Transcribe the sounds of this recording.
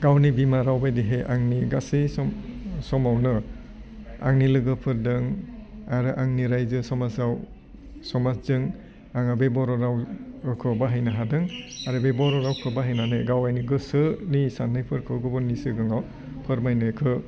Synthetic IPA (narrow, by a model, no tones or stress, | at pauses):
ɡawnibimaɾawbajdiɦeʔaŋniɡasisɔsɔmawnɯ | a̰ŋnilɯɡɯpʰɯɾdɯŋaɾɯʔaŋniɾajzɯsɔmasaw | sɔmaszɯŋ | aŋabebɔɾɔɾawkʰɯbaɦajnaɦadɯŋaɾɯbebɔɾɔɾawkʰɯbaɦajnanɯjɡawajniɡɯsɯnisanːajpʰɯɾkʰɯɡɔbɔnːisɯɡɯŋaw | pʰɯɾmajnɯkʰɯ